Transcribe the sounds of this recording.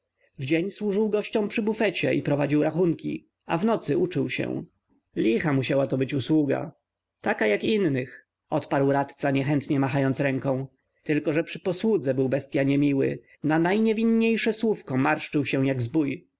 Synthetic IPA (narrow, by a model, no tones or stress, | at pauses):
vd͡ʑeɲswuʐɘwɡɔɕt͡ɕɔ̃pʂɘbufɛt͡ɕɛḭpɾɔvad͡ʑiwɾaxuŋkʲḭ | avnɔt̪sɘut͡ʂɘwɕɛ̰̃ | lʲixamuɕawat̪ɔbɘt͡ɕuswuɡa̰ | t̪akajakinːɘx | ɔt̪paɾwɾat̪t̪saɲɛxɛnt̪ɲɛmaxajɔnt̪sɾɛŋkɔ̃w̃ | t̪ɘlkɔʐɛpʂɘ̥pɔswud̪zɛbɘwbɛst̪ʲjaɲɛmʲiwɘ̰ | nanajɲɛvʲinɲejʂɛswufkɔmaɾʂt͡ʂɘwɕɛw̃jaɡzbuj